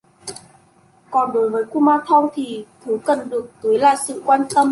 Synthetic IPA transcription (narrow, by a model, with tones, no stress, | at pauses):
kɔ˨˩nɗo˨˦jvəː˨˦jku˧maː˧t̪ʰə˧wŋ͡mt̪ʰi˨˩t̪ʰɨ˨˦kə˨˩nɗɨ˨˩ək̚t̪i˨˦jla̰ː˧˨jsɨ̰˧˨kwaː˧nt̪ə˧m